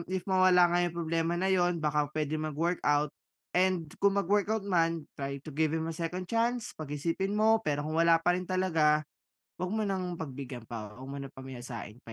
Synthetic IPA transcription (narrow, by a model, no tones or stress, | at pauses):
mʔɪfmɐwɐlaŋɐjoŋpɾoblɛːmɐnɐjo̞nbaːkapwɛːd̪ɪŋmɐɡwɛɹkawt̪̚ | ʔɛnd̪̚kʊŋmɐɡwɛɹkawt̪̚mant̪ɹajt̪ʊɡɪvɪmɐsɛkond̪̚t͡ʃanspɐɡhɪsiːpɪnmo̞pɛːɾokʊŋwɐlapɐɾɪnt̪ɐlɐɡa | wɐɡ̚monɐŋpɐɡ̚bɪɡɐnpɐ̰wɐɡ̚monɐpɐmɪjasa̰ːʔɪ̰npɐ